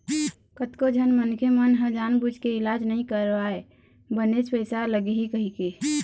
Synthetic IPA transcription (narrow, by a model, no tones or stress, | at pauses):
kət̪kod͡ʒʱənmənkʰemənɦə̃d͡ʒanbud͡ʒʱkeilad͡ʒnəɦĩkəɾbae | bənet͡ʃpəɪsaləɡeɦikəɦike